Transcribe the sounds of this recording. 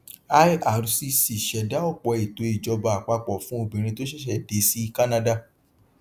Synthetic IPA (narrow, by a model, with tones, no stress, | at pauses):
a˦ja˨ɾu˧si˧si˨ʃɛ˨˦da˦ɔ˦˨k͡pɔ˨˧e˨to˨˦i˨d͡ʒɔ˨˧ba˧a˨k͡pa˧k͡pɔ˨fũ˦o˧˨bĩ˨ɾ̃ĩ˧to˦ʃɛ˦ʃ̬ɛ˧˨de˨˦si˦ka˦nã˦da˦˨